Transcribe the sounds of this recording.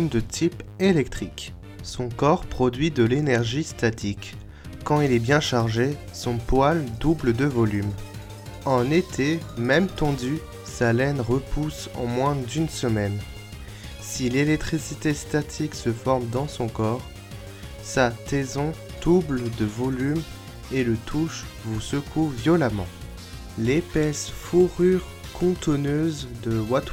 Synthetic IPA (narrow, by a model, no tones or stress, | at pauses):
d̪ət̪ʰipelɛk̚t̪χik | sɔ̃kɔʁpχɔd̪ɥid̪əlenɛʁʒist̪at̪ʰikː | ɑ̃ilɛbjɛ̃ʃaʁʒe | sɔ̃pwald̪ubld̪əvɔlym | ɑ̃net̪ʰemɛmt̪ɑ̃d̪y | salɛnʁəpʰusɑ̰̃mwɛ̃d̪ynsəmɛn | silelɛk̚t̪χisit̪est̪at̪ʰiksəfɔʁmd̪ɑ̃sɔ̃kɔʁ | sat̪ezɔ̃ | d̪̥ubld̪əvɔlym | elət̪ʰuʃvusəkʰuvjɔlamɑ̃ | lepɛsfuʁyʁ | kʰɔ̃t̪ɔnøzd̪əwat̪